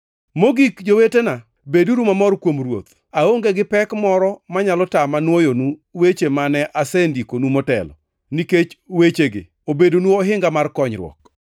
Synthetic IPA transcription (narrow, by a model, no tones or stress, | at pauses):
moɡikd͡ʒowetena | beduɾumamɔrkwomrwo̰t̪ | aoŋɡeɡɪpɛkmɔɾɔmaɲalɔtamanwojonuwet͡ʃemanɛʔasendikonumɔtɛ̰lɔ̰ | niket͡ʃwet͡ʃeɡɪ̰ | obedonuoɦɪŋɡamarkɔɲɾw̰ɔ̰k